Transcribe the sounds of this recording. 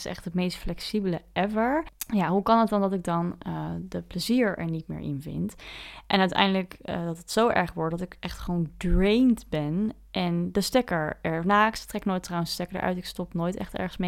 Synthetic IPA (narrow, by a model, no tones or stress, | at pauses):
ɪsɛ̰χtɦətmejstflɛksibələʔɛvəɹjaɦukɑnɦətdɑndɑtɪk̚dɑnədəpləziːɹɛ̰ɹnitmɪ̰ːɹʔɪ̰nvɪ̰ntʔɛnœɥtɛ̰jndələkdɑtətsowʔɛ̰ɹχʋɔɹt̚dɑtɪkʔɛχtχəʋowndɹejntbɛn | ʔɛndəstɛkəɹɛɹnaːkstrɛknoːjtrɔwənsstɛkəɹdə̰ʔœ̰ɥtɪkstɔpnoːjtɛ̰χtɛ̰ɹχənsme